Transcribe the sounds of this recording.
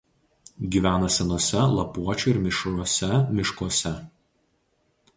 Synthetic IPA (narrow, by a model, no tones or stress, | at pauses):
ɡʲiːʋʲæːnɐsʲɛnoːsʲɛlˠɐpuɔt͡ʃʲʊɪɾmʲɪʃɾuɔsʲɛmʲɪʃkuɔsʲɛ